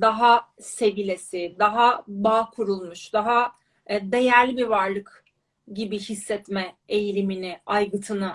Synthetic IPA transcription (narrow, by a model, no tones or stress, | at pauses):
d̪aɦa | se̞vilʲesɪd̪aɦabaːkʰuɾulˠmuʃd̪aɦa | d̪e̞jæɾlʲibiɾvaɾlˠɯk | ɟibihisːɛt̪mɛejilʲiminɪajɡɯt̪ʰɯnɯ